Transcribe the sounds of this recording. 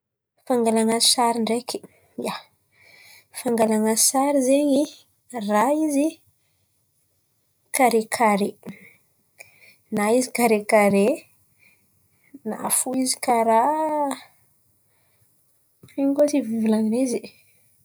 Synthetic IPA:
faŋɡalaŋasaɾiɳɖ͡ʐeki̥ | ija | faŋɡalaŋasaɾizeɲi | raizi | kaɾekʰaɾe | naizikaɾekaɾe | na̰fuizi̥kaɾa | iɲkot͡sivivilaninizi

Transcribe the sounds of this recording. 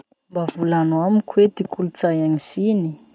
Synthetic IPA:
mbavulanamikʰwed̪ikulut͡sajaɲizini

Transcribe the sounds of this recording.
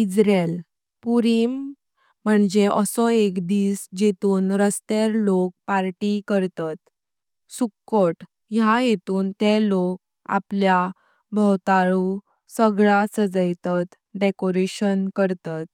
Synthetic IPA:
id͡zɾel | puɾim | m̤əɳd͡ʑeʔə̰sɔekd̪iːsd͡ʑet̪uːnɾəst̪eɾlok̚paɾʈikəɾt̪at̪ | sukːoʈ | jajet̪uːnt̪elok̚ | a̰plja | bʱəwt̪aɭu | səɡɭasəd͡zəjt̪at̪ | ɖekoɾeɕənkəɾt̪at̪̚

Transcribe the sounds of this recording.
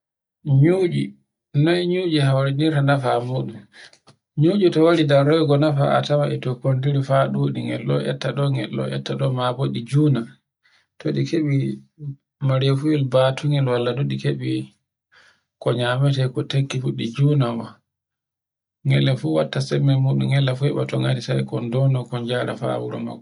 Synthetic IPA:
ɲuːd͡ʒi | nɔɛɲuːd͡ʒihawɾɛniɾtanafamuɗum | ɲuːd͡ʒitɔwaɾidaɾɔjɡɔnafa̰a̰tamaʔɛtɔkondiɾifaɗuɗiŋɡɛ̰lːɔ̰ʔɛ̰tːaɗɔŋɡɛ̰lːɔ̰ɛ̰tːaɗɔmaboɗid͡ʒuːna | toɗikʰeɓi | maɾijɔfuilbaːtʰuŋɛlwalːadoɗikeɓi | kɔɲamɛtɛkɔtekːifuɗid͡ʒunamɔ | ŋɡɛ̰lːɛfuwatːasɛmːɛmuɗumɡɛlːɛfuɛɓatɔŋatisajkɔndɔnɔkɔɲd͡ʒaɾa̰fa̰wuɾɔ̰ma̰ɡɔ

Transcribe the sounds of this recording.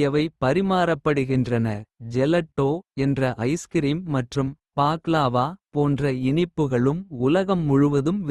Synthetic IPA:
jɐʋɐɪpːɐɾɪmaːɾɐpːɐɽɯɣɪndrɐnɐd͡ʒɛlɐʈːoːɛndrɐʔɐɪskɪɾiːmːɐʈrɯm | paːklaːʋaːpoːndrɐɪɳɪpːɯɣɐɭɯmʊlɐɣɐmːʊɻʊʋɐðɯm

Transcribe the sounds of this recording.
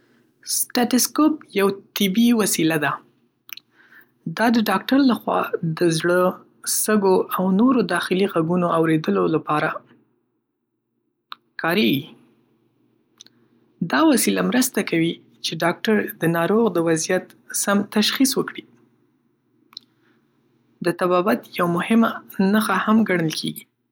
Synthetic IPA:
sʈaʈɪskopjawt̪ɪbiwasilad̪a | d̪ɑd̪əɖɑk̚ʈaɾlaxwɑ̰d̪əzɽə | st̪əɡoʔawnoɾod̪ɑxɪliɣaɡunoawɾed̪əlolapɑɾa | kʰɑɾeɡi | d̪ɑwasilamɾəst̪akawi | t͡ʃeɖɑk̚ʈaɾd̪ənɑɾoɣd̪əwazijat̪ | samt̪aʃxiswəkɽi | d̪ət̪abɑbat̪jawmʊhɪmanaxahamɡaɳ̃əlkʰeɡi

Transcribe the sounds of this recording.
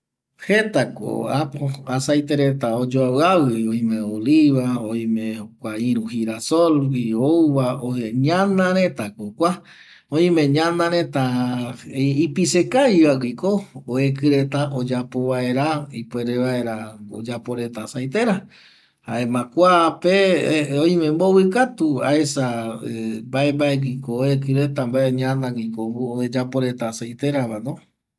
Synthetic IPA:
het̪ako̰apoasajt̪eɾet̪aod͡ʒoaβɨawɨiõj̃mẽoliβaoĩmẽokʷaĩɾ̃ũhiɾasolwiowβaoeɲãnãɾet̪akokʷa | oj̃mẽɲãnãɾẽt̪a | ipisekajβawikooekɨɾet̪aʔod͡ʒapoβae̞ɾaipweɾeβaeɾao̰d͡ʒapoɾe̞t̪asajt̪e̞ɾa | haemãkʷapeõj̃mẽmboβɨkat̪ua̰esaembaembaeɡikooekɨɾet̪ambaeɲãnãɡikoɡuoed͡ʒapoɾe̞t̪asajt̪eɾaβanõ

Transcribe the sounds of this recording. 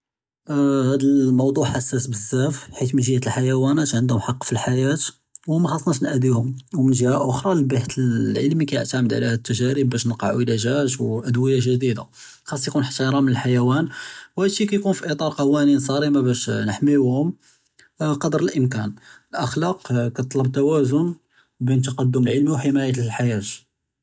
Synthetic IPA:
hæd̪əlmɑwd̪ˤuħʔæsːæsbəzːæfħit̪mənʒəːæt̪əlħajæwænæt̪ʕənd̪hʊmħɑqːfilħajæt̪ | wmæxɑsˤːnæʃnʔd̪ihʊmwmənʒhæʔʊxɾˤɑlbaht̪əllʕəlmikæjə̰ʕt̪aʕməd̪ʕlæhæd̪ət̪ːəʒæɾəbːæʃnəlqɑ̰ʕwəlæʒæt̪̬wʔæd̪wəjːaʒəd̪id̪a̰ | xɑsˤːjkunħt̪ːɑɾˤɑmənəlħajæwænwhæd̪ʃːikæjkunfiʔit̪ˤɑɾˤqɑwæninsˤɑɾimabæʃnəħmiuhʊm | qɑd̪əɾəlʔəmkænəlʔəxlɑqkɑt̪ˤləb̚t̪æwæzʊn | bint̪ɑqɑd̪ːʊməlʕəlmiwħəmæjətlħajæt̪

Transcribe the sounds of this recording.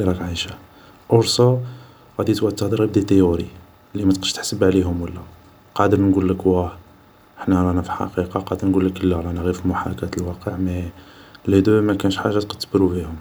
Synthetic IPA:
iɾˤɑkʕaʃa | ʔʊɾsɑ | ɣæd̪it̪wæʕd̪̚t̪ːɑhd̪ɾib̚d̪it̪əjʊɾi | lːimæt̪qə̥ʃt̪ə̥ħsəbʕliɦʊmwəlːæ | qɑd̪əɾnɡulːəkwæħ | əħnæɾˤɑnæfiħɑ̰qiqɑqɑd̪əɾˤnɡulːəkəlːæɾɑnæɣifimʊħa̰ɾˤkæt̪əlwɑqəʕmæ | læd̪umækænəʃħaʒːat̪qɑd̪bəɾubiʊm

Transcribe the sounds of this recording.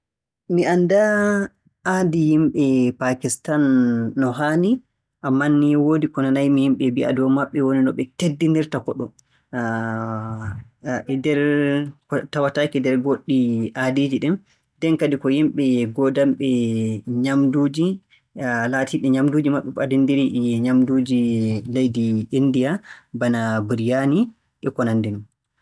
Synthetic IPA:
miʔanda | adijimɓɛpakistanːɔɦani | ʔamːanːiwoːdikɔnanajmihimɓɛbiʔa̰dɔwmaɓːɛwoninɔɓɛtedːindiɾtakɔɗɔ | dɛɾkɔtawatakidɛɾɡoɗːiʔadid͡ʒiɗɛm | dɛnkadikɔhimɓɛɡɔdamɓɛɲamduːd͡ʒi | laːtʰiɗɛɲamduːd͡ʒimaɓːɛɓadindiɾiʔɲamdud͡ʒilejdiindijabanabiɾijani | ʔɛkɔnandɛnun

